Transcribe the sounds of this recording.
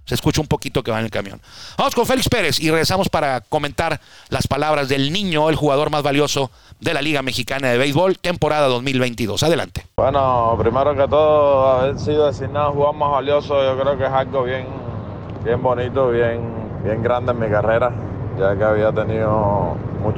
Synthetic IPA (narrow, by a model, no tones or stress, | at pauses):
se̞ːskut͡ʃaumpo̞kit̪o̞ke̞βanelkamjo̰nbamo̞sko̞nfe̞likspe̞ɾe̞sire̞ɣɾesamo̞spaɾako̞ment̪aɾ | laspalaβɾazðe̞lnĩɲo̞elxuɣaðo̞ɾmazβaljo̞so̞ | ðe̞laliɣame̞xikanaðe̞βejzβo̞lt̪e̞mpo̞ɾaðaðo̞zmilβejnt̪iðo̞̰saðe̞la̰nt̪e̥bwenopɾimeɾokat̪oðoaβesiðoðesinaðoxuɣamaɦβaljosoʝokɾeokeɦalɡoβjeŋ | bje̞mbonit̪oβjeŋ | bje̞ŋɡɾand̪emikareɾa | d͡ʒakeaβiat̪eniðomu